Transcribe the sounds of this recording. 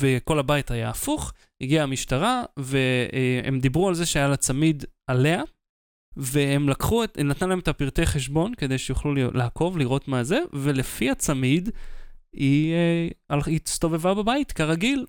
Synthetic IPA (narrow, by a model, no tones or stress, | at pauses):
veko̞labajitajaːfuχ | hiɡiaamiʃtaʁave̞eemd̪ibʁualzeʃeajalat͡samid̪ale̞a | vehemlakχuenat̪nalaemet̪apiʁt̪e̞jχe̞ʃbo̞nked̪e̞jʃejuχlul̰laako̞vliʁo̞tmaze̞ve̞lefiat͡samid̪ | i | alist̪o̞ve̞vababait̪kaʁaɡil